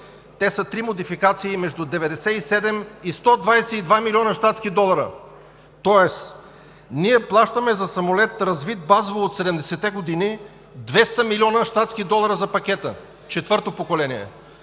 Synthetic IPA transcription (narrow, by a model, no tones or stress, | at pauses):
t̪ɛsət̪ɾimod̪ifikat̪siːmɛʒd̪ʊd̪ɛvɛd̪ɛsɛisɛd̪ɛmist̪ɔd̪vajsɛid̪vamilʲiɔnəʃt̪at̪skid̪ɔlˠɐɾə̰ | t̪ɔɛs | niɛplˠaʃt̪əmɛzɐsɐmolɛt̪ɾɐzvit̪̚bazovoot̪sɛd̪ɛmd̪ɛsɛt̪ɛɡod̪ini | d̪vɛst̪əmilʲiɔnəʃt̪at̪skʲid̪ɔlˠɐɾəzɐpɐkʲɛt̪ə | t͡ʃɛt̪vɤɾt̪opokolɛnʲiɛ̰